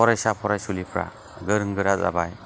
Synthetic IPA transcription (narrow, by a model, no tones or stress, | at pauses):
ɔɾajsapʰɔɾajsulipʰɾa̰ | ɡɯɾɯŋɡɯɾata̰baj